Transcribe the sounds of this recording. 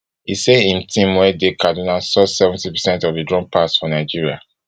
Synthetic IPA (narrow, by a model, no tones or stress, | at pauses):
iseĩntʰĩmwɛdekadinalsɔsɛṽntipɛsɛ̃ntɔvdidɹɔ̃npʰasfɔnaɪd͡ʒiɹia̰